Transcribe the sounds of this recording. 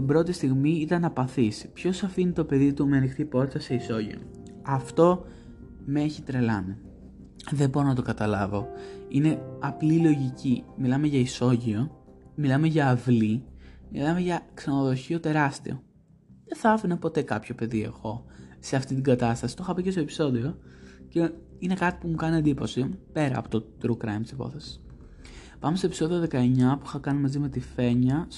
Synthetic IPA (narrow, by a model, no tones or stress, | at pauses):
ibɾo̞t̪ist̪iɣmiit̪ɐnɐpɐθispço̞sɐfinit̪o̞pe̞ðit̪umeɐnixt̪ipo̞ɾit̪ɐse̞iso̞ʝḭo̰ | ɐft̪o̞ | meçit̪ɾe̞lɐ̰ni | ðebo̞ɾo̞nɐt̪o̞kɐt̪ɐlɐvo̞ine̞ɐplilo̞ʝicimilɐme̞ʝɐiso̞ʝio̞ | milɐmeʝɐːvlimilɐme̞ʝɐksenoðo̞çio̞t̪e̞ɾɐst̪ḭo̞̰ | ðeθɐɐfinɐpo̞t̪e̞kɐpço̞pe̞ðie̞̰xo̞se̞ɐft̪it̪iŋɡɐt̪ɐst̪ɐsi̥t̪o̞xɐpicest̪oe̞pi̥so̞ðio̞ce̞ | ine̞kɐt̪i̥pumukɐniɐnd̪ipo̞sipe̞ɾɐ̰ːpot̪o̞t̪ɾukɾɐ̰jmt̪isipo̞̰θe̞si̥s | pɐmest̪opiso̞ðio̞ðe̞kɐe̞ɲɐpuixɐkɐnimɐzime̞t̪ife̞ɲɐs